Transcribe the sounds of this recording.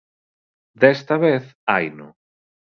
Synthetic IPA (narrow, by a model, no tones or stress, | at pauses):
d̪est̪aβeθajnʊ